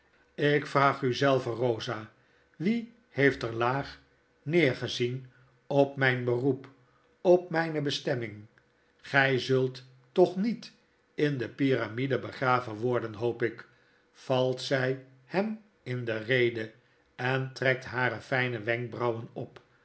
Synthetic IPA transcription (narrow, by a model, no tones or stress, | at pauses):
ɪkfraːχyzɛlˠvərowzaː | ʋi | hejftəɹlaːχ | nɪːɹχəzin | ɔpmɛjnbərup | ɔp̚mɛjnəbəstɛmɪŋ | χɛjzɵlˠtː | ɔχnit | ɪndəpiramidəbəχraːvəʋɔɹdənɦowpɪk | fɑlˠtsɛj | hɛm | ɪndərejdə | ɛntrɛk̚tɦaːɾəfɛjnəʋɛŋk̚brɑwənɔp